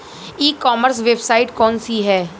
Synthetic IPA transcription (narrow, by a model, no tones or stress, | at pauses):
iːkːɔːməɾsʋebsaːɪʈkɔːnsiɦɛː